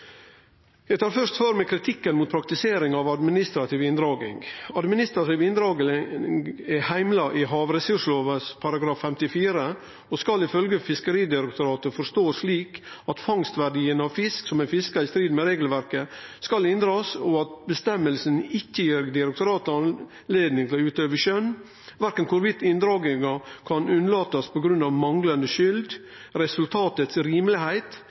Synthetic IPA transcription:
jæɪt̪ʰɑːɾfœʂt̪føːɾmɛkʰɾɪt̪ʰɪkːənmuːt̪̚pʰɾɑk̚t̪ɪseːɾɪŋɑʋɑd̪mɪnɪst̪ɾɑt̪ʰiːʋɪnd̪ɾɑːɡɪ̰ŋɡɑd̪mɪnɪst̪ɾɑt̪iːʋɪnd̪ɾɑːɡ̪ɪ | ɛhæɪmlɑʔɪɦɑːʋɾɛsʉʂloːʋəspʰɑɾɑɡɾɑːfːɛmt̪ɪfiːɾə | ɔskɑlɪfœlɡəfɪskəɾiːd̪ɪɾəkt̪ʊɾɑːt̪əfɔɾʂt̪oːʂliːkɑt̪fɑŋst̪ʋæɾɖiːənɑʋfɪsksɔmæfɪskɑɪst̪ɾiːd̪mɛɾeːɡl̩ʋæɾkəskɑlɪnd̪ɾɑːsɔɑt̪̚bəst̪ɛmːəlsənɪkːəjiːɾd̪ɪɾɛkt̪ʊɾɑːt̪ɑn | leːd̪nɪŋt̪ʰɪɔʉːt̪øːʋəʃœnː | ʋæɾkənkʰʊɾʋɪt̪ːɪnd̪ɾɑːɡɪŋɑkʰɑnʉnːəlɑːt̪ɑspʰɔɡɾʉnːɑʋmɑŋlɑnd̪əʃʏld̪ | ɾɛsʉlt̪ʰɑːt̪ət̪sɾiːmlɪhæɪt̪

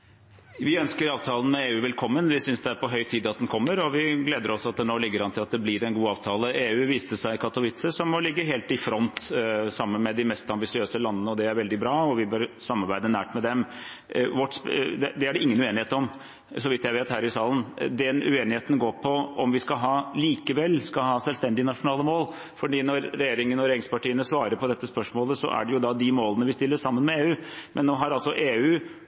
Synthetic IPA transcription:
ʋɪœnskəɾɑːʋt̪ʰɑːlən̩mɛeːʉːʋɛlkʰɔmːənʋɪsʏnsd̪ɛæɾpɔɦœʏt̪ʰiːd̪ɑt̪̚d̪ɛnkʰɔmːəɾɔʋɪɡleːd̪əɾɔsɑt̪̚d̪ɛnoːlɪɡːəɾhɑnt̪ʰɪlɑt̪̚d̪ɛblɪɾɛnɡuːɑːʋt̪ʰɑːləeːʉːʋiːst̪əsæɪkʰɑt̪ʊʋɪt̪səsɔmːɔlɪɡːəɦeːlt̪ɪfɾɔnt̪sɑmːənmɛd̪ɪmɛst̪ɑmbɪsɪøːsəlɑnːənəɔd̪ɛæɾʋɛld̪ɪbɾɑːɔʋɪbœɾsɑmːɑɾbæɪd̪ənæːʈmɛd̪ɛm | ʋɔʈsd̪ɛd̪ɛæɖɛɪŋːənʉeːnɪheːt̪ɔm | sɔʋɪt̪ːjæɪʋeːt̪hæːɾɪsɑːlənd̪ɛnʉ̰eːnɪheːt̪n̩ɡoːɾpʰɔʔɔmʋɪskɑɦɑːliːkəʋɛlːskɑhɑːsɛlst̪ɛnd̪ɪnɑʂʊnɑːləmoːl | fɔɖiːnɔɾɾɛjeːɾɪŋənɔɾɛjeːɾɪŋspʰɑʈiːənəsʋɑːɾəɾpʰɔd̪ɛt̪ːəspœʂmoːləsɔ̰ʔæ̰ɖɛjʊd̪ɑd̪ɪmoːlənəʋɪst̪ɪlːəsɑmːənmɛeːʉːmʔɛnːoːɦɑɾɑlsɔʔeːʉː

